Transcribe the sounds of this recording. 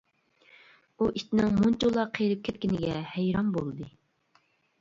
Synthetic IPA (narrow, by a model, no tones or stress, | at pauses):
uʔit̪ɪnɪŋmunt͡ʃulˠɑqʰejɾɨp̚kʲʰɛt̪̚kʲinɪɡʲɛhɛjɾɑnbolˠɨd̪ɨ